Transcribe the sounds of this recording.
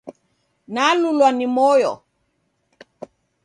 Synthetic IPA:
nalulwanimɔjɔ̰

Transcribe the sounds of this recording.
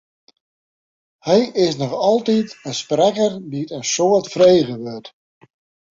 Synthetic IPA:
hɛjʔɪsnɔχɔlˠtitənsprɛkərbitənsoətfreːɣəʋøt

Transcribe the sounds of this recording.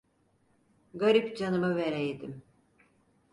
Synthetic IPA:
ɡaɾipd͡ʒanɯmaveɾejd̪im

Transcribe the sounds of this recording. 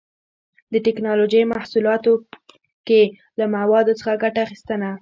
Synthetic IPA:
d̪əʈɪknɑlod͡ʒəjmahsulɑt̪o | ke | lamawɑd̪ot͡sə̥xaɡaʈaːxist̪əna

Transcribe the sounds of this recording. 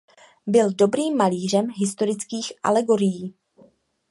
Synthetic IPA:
bɪldo̞bɾiːmːaliːr̝ɛmɦɪst̪o̞ɾɪt͡skiːxʔa̰lɛɡo̞ɾɪjiː

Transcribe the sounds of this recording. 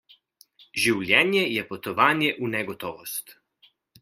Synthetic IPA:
ʒiwlʲjɛːnjɛjɛpɔt̪ɔʋaːnjɛʔunɛɡɔt̪ɔːʋɔst̪

